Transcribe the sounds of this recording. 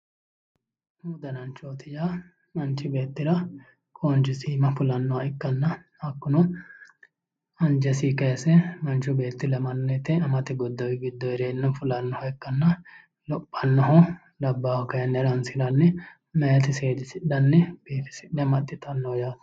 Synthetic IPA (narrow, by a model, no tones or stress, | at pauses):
huːd̪ɐnɐnt͡ʃoːt̪ɪja | mɐnt͡ʃːɪbe̞ːt̪ːɪɾɐ | kʼont͡ʃɪsiːmɐfʊlɐnːɔwɐɪkːɐnːɐ | hɐkːʊnɔ | ɐnd͡ʒɛsiːkɐjɐsɛmɐnt͡ʃʊbe̞ːt̪ːɪlɐmɐnːet̪ɛɐmɐt̪ɪɡɔd̪ːɐwɪɡɪd̪ːɔjɾeːnːɐfʊlɐnːɔhɐɪkːɐnːɐ | lɔpʼːɐnːɐɦɔ | lɐbːaːhɔkɐjɐnːɛɾɐnsɪɾɐnːɛ | mɛjɐt̪ɪseːd͡ʒ̪ɪsɪᶑɐnːɛb̥iːfɪ̥sɪɗɛmɐt̪ʼːɪt̪ɐnːoːjaːt̪